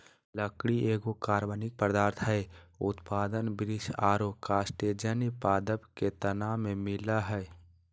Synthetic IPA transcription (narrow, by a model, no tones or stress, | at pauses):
ləkɽieːɡokaːɾʋənɪk̚pɾd̪aːɾt̪ʰɦɛʊ̰t̪paːd̪ənbɾɪʃaːɾokaːsʈeːd͡ʒənipaːd̪əbket̪ənaːmẽmɪlaɦɛː